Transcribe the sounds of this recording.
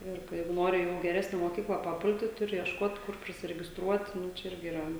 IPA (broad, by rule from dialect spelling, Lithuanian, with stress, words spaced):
ˈɪr kɐ ˈjɛɪɡʊ ˈnoːrʲɪ jɛʊ ɪ ɡʲɛˈrʲæːsʲnʲɛ moːˈkʲiːklˠɐ pɐˈpʊlʲtʲɪ ˈtʊrʲɪ iɛʃˈkoːt ˈkʊr pʲrʲɪsʲɪrʲɛɡʲɪsˈtruɔt ˈnʊ t͡ʃʲɛ ˈɪrʲɡʲɪ iːˈrɐ